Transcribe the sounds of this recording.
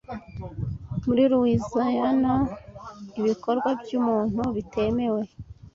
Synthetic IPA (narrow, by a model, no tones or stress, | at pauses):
muɾiɾuwizaɲano | iβiko̞ɾɡwabjuːmuːn̥uβite̞me̞we̞